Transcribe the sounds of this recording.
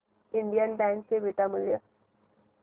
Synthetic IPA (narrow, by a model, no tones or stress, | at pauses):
ɪɳɖijənbɛ̃ːŋkseʋɪʈ̪amɪljə